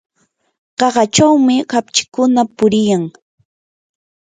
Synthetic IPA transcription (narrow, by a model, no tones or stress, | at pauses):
ɢ̥ɑɢɑt͡ʃawmɪkapt͡ʃɪ̥kʊnapʊɾɪjaŋ